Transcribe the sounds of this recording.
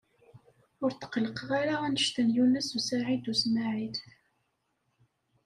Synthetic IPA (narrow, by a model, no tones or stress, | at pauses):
ʊɾt̪ːə̥qləqʁaɾaænəʃt̪ənjunæsusaʕid̪usmaʕid̪